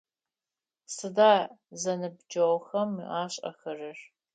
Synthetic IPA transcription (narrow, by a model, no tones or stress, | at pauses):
sɨdaːzɐnɨbd͡ʒɐwxɐm̰aːɕʼɐ̰xɐrɨr